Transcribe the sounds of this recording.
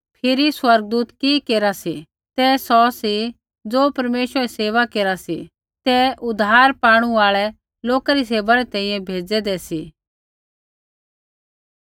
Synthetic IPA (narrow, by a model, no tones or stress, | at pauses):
pʰɪɾiswɐɾɡ̚d̪uːt̪kikeːɾasi | t̪ɛsɔsi | d͡zoːpɐɾmeːʃwəɾɛseːʋakeːɾasḭ | t̪ɛʔʊd̪ʱaːɾpaːɽ̃uaːɭɛ | loːkaɾis̬eːʋaɾɛt̪ɛ̃ːĩːjɛ̃bʱeːd͡zɛd̪ɛsiː